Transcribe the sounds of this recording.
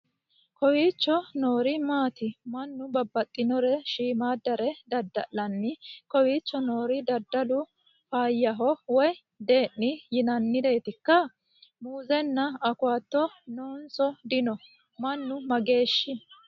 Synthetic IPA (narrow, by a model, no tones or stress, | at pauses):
kɔwiːt͡ʃːɔno̞ːɾɪmaːt̪ɪmɐnːʊbɐbːɐt̪ʼːɪnɔɾɛʃiːmaːd̪ɐɾɛd̪ɐd̪ːɐ̰ʔɐnːɪkɔwiːt͡ʃːɔno̞ːɾɪd̪ɐd̪ːɐlʊ | faːjːɐɦɔwɔj | d̪e̞ːnːɪjɪnɐnːɪd̪e̞ːt̪ɪkːɐ | muːzɛnːɐɐkʊaːt̪ːɔnoːnsɔd̪ɪnɔ | mɐnːʊmɐɡe̞ːʃːɪ